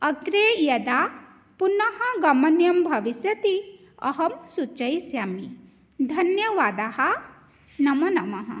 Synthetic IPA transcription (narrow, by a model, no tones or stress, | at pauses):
ɐɡɾejɐd̪aː | punɐɦɐɡɐmɐnjɐmbʱɐʋisjɐt̪i | ɐɦɐmsut͡ʃɐjsjaːmi | d̪ʱɐnjɐʋaːd̪aːɦɐ̆ | nɐmɐnɐmɐɦɐ̰